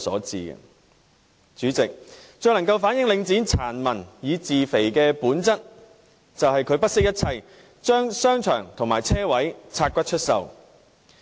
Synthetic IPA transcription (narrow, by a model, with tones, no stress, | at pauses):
sɔ̰ː˨˥t͡sḭː˨˧ɡɛ̰˧ | t͡ʃyː˨˥t͡sɪ˨k̚t͡ʃɵ˨˧lɐ˨˩ŋkɐ˧wfaː˨˥njɪ˨˥ŋlɪ˨˧ŋt͡siː˨˥nt͡sʰaː˨˩nmɐ˨˩njiː˨˧t͡siː˨fe˨˩jkɛː˧puː˨˥nt͡sɐ˥t̚ | t͡sɐ˨whɐ˨jkʰɵ˨˧ɥpɐ˥t̚sɪ˥k̚jɐ˥t̚t͡sʰɐ˧j | t͡ʃœː˥ŋsœː˥ŋt͡ʃʰœ̰ː˨˩ŋt̪ʰʊ˨˩ŋmaː˨˩jt͡sʰɛː˥wɐ˨˥jt͡sʰaː˧t̚kʷɐ˥t͡ʃʰɵ˥t̚sɐ̰˨w